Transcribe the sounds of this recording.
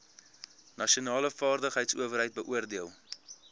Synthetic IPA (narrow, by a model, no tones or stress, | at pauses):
nɐʃiunɑːləfɑːrdəχɦəjtsuəvərɦəjt̚bəʔuərdiəlˠ